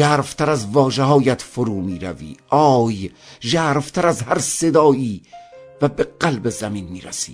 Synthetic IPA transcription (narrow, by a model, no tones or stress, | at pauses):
æːɾft̪ʰæɾæzvɒːʒeɦɒːjæt̪foɾuːmiːɾæ̰vḭːʔɒːjʒæːɾft̪ʰæɾæzhæɾse̞d̪ɒːiːvæbeɢælbezæmiːnmiːɾæ̰sḭ̥ː